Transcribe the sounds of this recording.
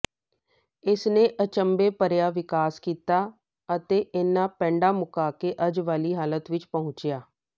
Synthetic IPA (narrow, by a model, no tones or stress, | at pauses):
ɪsneːʔət͡ʃəmbeːpəɾjaːʋɪkaːskiːt̪aː | ət̪eːʔɪnːãːpɛ̃ːɳɖaːmʊkaːkeːʔəd͡ʒʋaːliːɦaːlət̪ʋɪt͡ʃpəɦʊ̃t͡ʃɪjaː